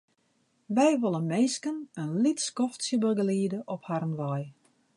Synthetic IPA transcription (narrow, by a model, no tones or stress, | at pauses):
ʋɛjʋolˠənmeːskənənlitskɔftsjəbəɡəliːədəʔɔphaɾənʋɔj